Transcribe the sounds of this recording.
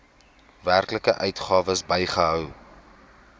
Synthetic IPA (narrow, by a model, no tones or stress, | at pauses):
værkləkəʔœɥtχɑːvəsbəjχəɦœw